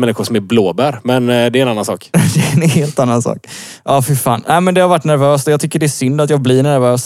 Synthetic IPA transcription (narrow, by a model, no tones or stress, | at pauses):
mɛnːɪxʊʂsɔmæɾbloːbæɾmɛnd̪ɛɾɛnanːansɑ̰ːkd̪ɛɛnheːlt̪anːansɑ̰ːk | ʔɑfʏɾfa̰ːnʔæɪmɛnd̪ɛhaɾvaʈːnæɾvøːst̪ɔjɑːt̪ʰʏkːəɖɛːʂʏnd̪at̪jɑːɡblɪɳæɾvøːs